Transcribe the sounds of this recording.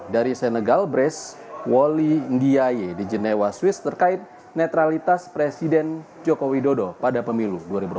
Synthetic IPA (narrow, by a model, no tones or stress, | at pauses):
daɾisənəɡalbɾɛs | wolindiajedid͡ʒənɛwaswɪst̪ərkaɪt̪̚ | nɛt̪ɾalit̪aspɾesidɛn | d͡ʒɔkowidodopadapəmiluduaɾibuɾ